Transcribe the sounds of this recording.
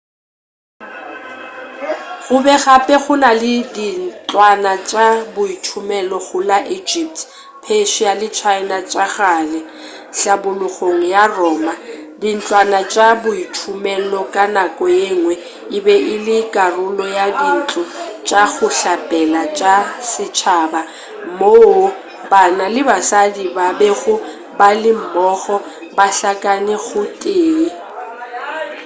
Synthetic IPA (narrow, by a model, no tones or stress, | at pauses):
ɣʊbɛɣapʼɛɣʊnalɪdin̩t͡ɬʼwanat͡ʃʼabʊitʰʊmɛlɔɣʊlaʔid͡ʒip̚tʰ | pʰeʃialɪt͡ʃʰaɪnat͡ʃʼaɣalɛ | ɬabʊlʊɣoŋ̩jarɔːmadin̩t͡ɬʼwanat͡ʃʼabʊitʰʊmɛlɔkʼanakʼɔjeŋwɛ | ɪbɛʔɪlɪkʼarʊlɔjadin̩t͡ɬʼʊt͡ʃʼaɣʊɬapʼɛlat͡ʃʼasɪt͡ʃʰaba | mo | banalɪbasadibabɛɣʊ | balɪm̩mɔɣɔ | baɬakʼanɪɣʊtʼeːi